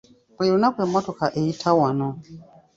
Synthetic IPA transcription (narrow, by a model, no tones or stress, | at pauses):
pɛjunakwɛmɔtɔkaʔɛitʰawanɔ